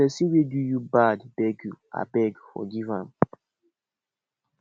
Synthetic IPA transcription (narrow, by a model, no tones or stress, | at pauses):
ɛsiwidujubadbɛɡua̰bɛɡfɔ̰ɡivãn